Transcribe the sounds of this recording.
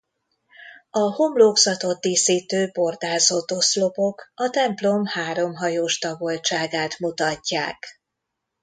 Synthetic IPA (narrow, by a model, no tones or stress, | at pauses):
ɒho̞mloːɡzɒt̪o̞t̪̚d̪iːsiːt̪øːbo̞rd̪aːzot̪o̞slo̞po̞kɒt̪ɛmplo̞mhaːɾo̞mɦɒjoːʃt̪ɒbolt͡ʃaːɡaːt̪mut̪ɒcːa̰ːk